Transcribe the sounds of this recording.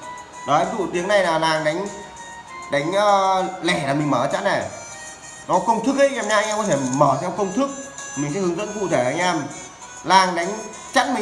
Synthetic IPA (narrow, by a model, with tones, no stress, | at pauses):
ɗɔ˨˦˨zṵ˧˨t̪i˨˦əŋna˨˩jlaː˨˩laː˨˩ŋɗa˨˦jŋ̟ | ɗa˨˦jŋ̟ʔəː˧lɛ˧˩laː˨˩mï̟˨˩məː˧˩˨t͡ɕa̰˧˥tnɛ˨˩ | nɔ˨˦kə˧wŋ͡mt̪ʰɨ˦˥k̚ʔə˨˦ʔɛː˧mɲaː˧jŋʔːkɔ˨˦t̪ʰe˧˩məː˧˩t̪ʰɛ˧wkə˧wŋ͡mt̪ʰɨ˦˥k̚mï˨˩ŋ̟sɛ̰˧˥hɨ˨˦zə̰˧˥nkṵ˧˨t̪ʰe˧˩ʔa˧jŋʔɛː˧m | laː˨˩ŋɗa˨˦jŋ̟ | t͡ɕa˦˥t̚mï˨